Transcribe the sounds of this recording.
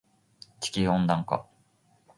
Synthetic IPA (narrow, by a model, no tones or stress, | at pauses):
t͡ɕi̥kʲihõnd̪ãŋka̰